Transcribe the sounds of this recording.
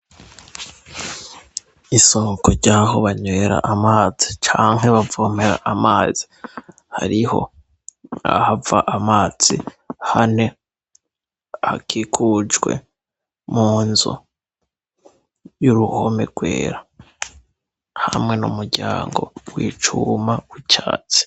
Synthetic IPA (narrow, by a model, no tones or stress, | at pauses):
isoːŋkoɾɟaːɦo̞βaɲwe̞ɾa̰ʔamaːzit͡ʃaːŋ̥ɦe̞βavom̥eɾa̰ʔamaːz̥i | ha̰ɾiho̞̰ | a̰havaʔamaːz̥ḭ | hane̞ | hakʰikʰud͡ʒwe̞̰ | muːnzṵ | juɾuho̞me̞ɡ̥we̞̰ːɾa | hamŋe̞numuɾɟaːŋɡo̞wḭːt͡ʃumaut͡ʃaːt͡si̥